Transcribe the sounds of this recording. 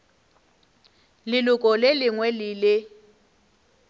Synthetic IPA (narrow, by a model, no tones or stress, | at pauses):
lɪlʊkʼɔlɪlɪŋwɛlɪlɪ